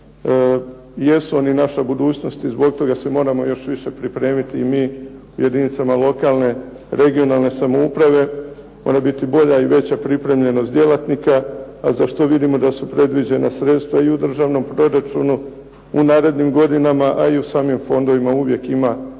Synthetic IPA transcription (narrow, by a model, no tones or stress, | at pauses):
je̞suo̞ninaʃabud̪uːt͡ɕno̞st̪izbo̞ɡ̚t̪o̞ɡase̞mo̞ːɾamo̞jo̞ʃʋiʃe̞pɾipɾe̞ːmit̪iːmiː | uje̞d̪init̪samalˠo̞kaːlˠne̞ | ɾe̞ɡio̞nalˠne̞samoupɾaʋe̞ | mo̞̰ːɾabit̪ibo̞ʎaiʋe̞t͡ɕapɾipɾe̞mʎe̞no̞st̪d̪je̞lat̪nikaazaʃt̪o̞ʋid̪imo̞d̪asupɾe̞d̪ʋid͡ʑe̞na̰sɾe̞t̪st̪ʋaiud̪r̩ʒaːʋno̞mpɾo̞ɾat͡ʃṵnu | unaːɾe̞d̪nimɡo̞d̪inamaʔa̰iusaːmimfo̞nd̪o̞ʋimauʋje̞kima